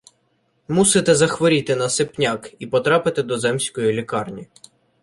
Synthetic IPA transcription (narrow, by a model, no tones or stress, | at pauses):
musɪt̪ɛzɐxʋɔɾʲit̪ɪnɐsɪpnʲakipɔt̪ɾɑpɪt̪ɪd̪ɔzɛmsʲkɔjilʲikɑrnʲi